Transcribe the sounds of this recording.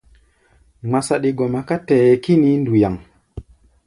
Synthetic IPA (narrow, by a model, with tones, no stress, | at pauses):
ŋ͡ma˨sa˨ɗi˧ɡo˨ma˨ka˦te˨je˨ki˦ni˦ndu˨ja˨ŋ